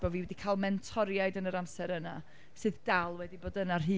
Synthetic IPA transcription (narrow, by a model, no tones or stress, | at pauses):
b̥ɔviːwɛdikʰaːlˠmɛntʰɔɾjajdənəɾamsɛɾəna | sɨːðdalˠwɛdiboːdənar̥ɦɨː